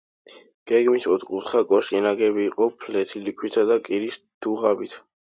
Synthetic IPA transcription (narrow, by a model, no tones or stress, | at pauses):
ɡ̥ɛɡmisɔt̪ʰʼqʼupt̪χakʼɔʃʼɛnaɡɛbiːqʼɔpʰlɛt̪ʰilikʰwit̪ʰad̪akʼiɾis | d̪̥uʁabit̪ʰ